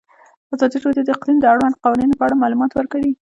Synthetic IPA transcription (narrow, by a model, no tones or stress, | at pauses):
azɑd̪iʈold̪od̪əqlimd̪əaɽwand̪qɑwɑninopəaɽamɑlumɑt̪wəɾkawi